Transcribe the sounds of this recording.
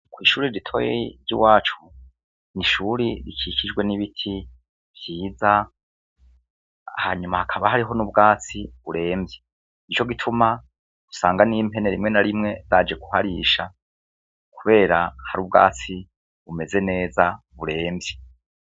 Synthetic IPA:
kwiːʃuːɾiɾitʰo̞ːjḛɾɟḭwaːt͡ʃu̥ | niʃuːɾiɾikʰicid͡ʒɡwe̞niβitʰi | β̥jiːza | ha̰ɲumahakʰaβahaɾiɦo̞nubɡaːt͡siβuɾe̞ːmbje | nit͡ʃo̞ɡitʰuma | ɡ̥u̥saːŋɡaniːmpe̞ne̞ɾimŋe̞naɾimŋe̞zaːd͡ʒe̞kuhaɾiʃa̰ | kʰuβe̞ːɾahaɾub̚ɡa̰ːt͡si | βume̞ze̞ne̞ːza | βuɾe̞ːmbje

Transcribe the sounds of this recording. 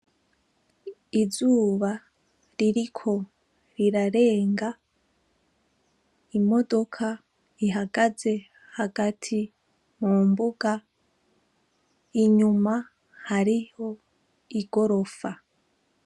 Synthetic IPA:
izuːβa | ɾiɾikʰo̞ | ɾiɾaɾe̞ːŋɡa | imo̞do̞kʰa | iɦaɡaze̞ | haɡatʰi | muːmbuɡa | iɲuma | haɾiho̞ | iɡo̞ɾo̞fa

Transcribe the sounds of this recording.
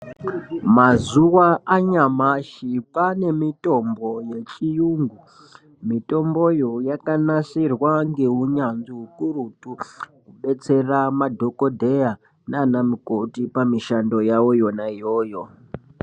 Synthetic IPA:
mazuwaʔaɲamaʃipane̞mito̞mbo̞je̞t͡ʃijuːŋɡu | mito̞mbo̞jojakanasirwaŋɡe̞uɲanziɦukurutukuɓe̞t͡se̞ramadʱo̞kodʱeja | naːnamikotipamiʃando̞jawo̞jo̞naijoːjo̞

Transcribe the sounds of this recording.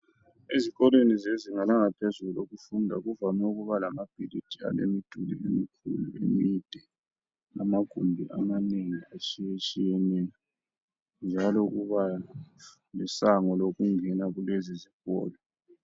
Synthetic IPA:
iziɣɔlwenizeziŋalaŋapʰezuuloɣufundʱa̰ɣuvamɛuɣuβalamab̥ʱilid̥ʰʱʼia̰lḛmid̥ʱulḭemikʰṵlṵḛmid̥ʱɛ | namaɡ̥ʱumbʱiʔamaneŋiat͡ʃʼijet͡ʃʼijɛnɛa | nd͡ʒʱalouɣuβa | lɛsaŋɔloɣuŋɛnaɣuleziziɣɔ̰ːlɔ

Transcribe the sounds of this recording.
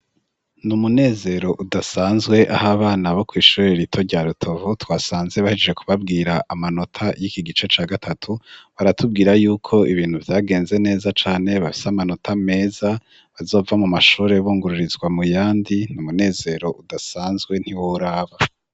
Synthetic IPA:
numune̞ːze̞ɾo̞ʔudasaːnzɡwe̞ʔahaβaːnaβo̞kwiːʃuɾeɾitʰo̞ɾɟaːɾutʰo̞vutwaːsaːnzeβahid͡ʒed͡ʒe̞kʰuβabɡiːɾaʔamano̞tʰajikiɡit͡ʃe̞t͡ʃaːɡatʰatʰuβaɾatub̚ɡiːɾajuːkʰo̞iβiːn̥huvjaːɡe̞ːnze̞ne̞ːzat͡ʃaːne̞βafi̥seamano̞tʰame̞ːza | βazo̞ːvamumaʃuːɾe̞βuːŋɡuɾuɾizɡwamujaːndinumune̞ːze̞ɾo̞ʔudasaːnzɡwe̞n̥hiwouɾaːβa

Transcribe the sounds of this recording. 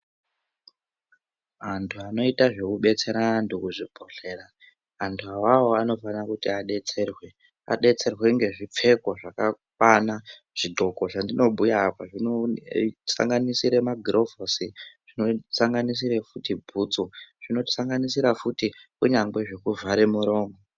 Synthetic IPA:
antʰuano̞itaʐe̞kuɓe̞t͡se̞ɾantʰukuʐibʱo̞ɬe̞ːraː | ntʰuawawo̞ano̞fanakutiaɗe̞t͡se̞rwe̞ | a̰ɗe̞t͡se̞rwe̞ŋɡe̞ʐip͡fe̞ko̞ʐakakwana | ʐ̥iɡʱo̞ko̞ʐandino̞ɓujaːpaʐino | sa̰ŋɡanisiɾe̞maɡʱrʔo̞vosiʐ̥ino̞saŋɡanis̬iɾe̞futibʱuːt͡soʐ̥ino̞ti̥saŋɡanisiɾafutikuɲaŋɡwe̞ʐe̞kuvaɾemuɾo̞ːŋɡo

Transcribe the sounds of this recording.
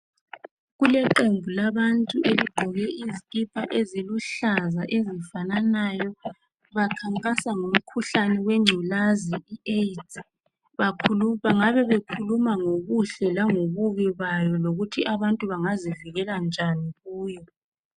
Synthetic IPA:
ɣulɛǃembʱulaβantʼuʔeliɡ͡ǃʱɔɣɛʔizikʼipʰaʔeziluɬazaʔezifananajɔ | βakʰaŋkʼasaŋum̩kʰuɬanɛweŋ͡ǀʱulaziieitʰʼi | βakʰuluaŋaβɛβekʰulumaŋoɣuɬɛlaŋoβuɣiβajɔloɣutʰiʔaβantʼuβaŋaziviɣɛland͡ʒʱaniɣuːjɔ

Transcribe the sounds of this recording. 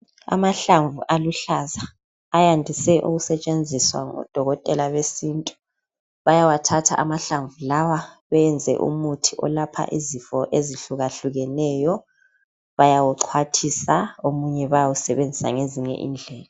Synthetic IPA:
a̰maɬaɱvuʔaluɬazaː | jandʱisɛʔuɣusɛt͡ʃʼend͡zʱiswa̰ŋɔ̰d̥ʱɔɣɔtʼɛlaβesiːntʼu̥ | βajawatʰatʰa̰ʔamaɬaɱvulawaβɛɛnd͡zʱɛ̰ʔṵmutʰiʔɔ̰lapʰa̰ʔizifɔʔeziɬuɣaɬuɣɛnɛjɔ | βajawuǀʰwatʰisaomuɲɛβajawusɛβend͡zʱisa̰ŋeziɲɛ̰ʔḭnd͡ɮʱɛːla

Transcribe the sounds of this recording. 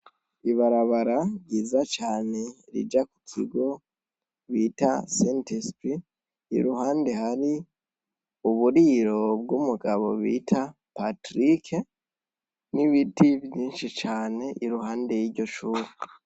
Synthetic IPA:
iβaɾaβaɾaɟiːzat͡ʃaːne̞ɾḭd͡ʒaku̥kʰḭɡo̞ | βiːtasentispḭː | ɾuɦaːnde̞haɾi | uβuɾiːɾo̞b̚ɡumuɡaβo̞βḭːtʰa | patɾikʰe | niβitivjiːnʃit͡ʃaːne̞ʔiɾuɦaːnde̞jiɾɟo̞ʃuːɾe

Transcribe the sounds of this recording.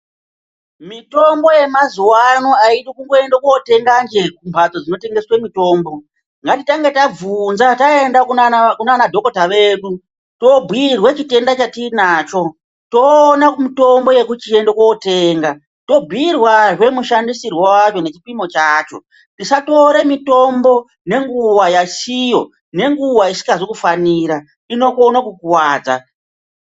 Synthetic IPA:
mito̞mbo̞je̞mazuwanoaiɗikuŋɡo̞e̞ndokote̞ŋɡand͡ʒe̞kumbʱatod͡zino̞te̞ŋɡe̞swe̞mito̞ːmbo̞ | ŋɡatitaŋɡe̞tab͡vunzataendakukunanadʱo̞ko̞taʋe̞ːɗu | to̞bʱwirwet͡ʃite̞ndat͡ʃatinaːt͡ʃo̞ | to̞ːnakumito̞mbo̞je̞kut͡ʃiendokwoːte̞ːŋɡa | to̞bʱwirwaʐe̞muʃandisirwowat͡ʃo̞ne̞t͡ʃipimo̞t͡ʃaːt͡ʃo̞̰ | tisato̞ɾe̞mito̞mbo̞ | ne̞ŋɡuwajasijo̞̰ | ne̞ŋɡuwaisi̥kaʐikufaniːɾa | ino̞konakukuwaːd͡za̰

